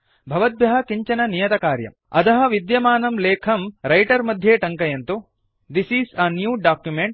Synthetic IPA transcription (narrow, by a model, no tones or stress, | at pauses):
bʱɐʋɐd̪̚bjɐɦɐkiɲt͡ʃɐnɐnijɐt̪ɐkaːɾjɐ̰m | ɐ̰t̪ɐɦɐ̆ʋid̪jɐmaːnɐmleːkʰɐmɾɐjʈɐɾmɐd̪ʱjeːʈɐŋkɐjɐnt̪u | d̪isisɐnjuːɖaːkjumeɳʈ